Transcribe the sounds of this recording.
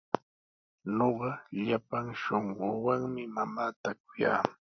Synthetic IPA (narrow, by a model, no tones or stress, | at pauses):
noɢɑʎapaŋʃoɴɢowaŋmɪmamaːt̪ak̚ʊja̰ː